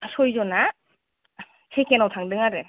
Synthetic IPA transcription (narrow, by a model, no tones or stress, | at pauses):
sɔjzɔna | sʰejkenawtʰaŋdɯŋaɾɯ